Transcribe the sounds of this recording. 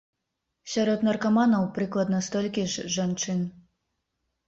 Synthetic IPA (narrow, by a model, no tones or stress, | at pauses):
sʲaɾɔt̪nɐrkamanɐwpɾɨklˠɐd̪nɐst̪ɔlʲkʲiʐʐant͡ʂɨn